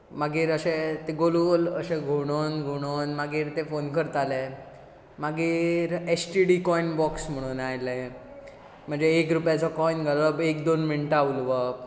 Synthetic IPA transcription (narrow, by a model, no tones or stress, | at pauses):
maɡiːɾəɕet̪eɡolulə̰ɕeɡʱoɽ̃onɡʱoɽ̃onmaɡiːɾt̪efonkəɾt̪ale | maɡiːɾesʈiɽikɔinbɔksm̤əɽ̃uːnajle | m̤əɳd͡zeːkɾupjat͡sɔkɔinɡʱələbekd̪onminʈaʋulʋɔ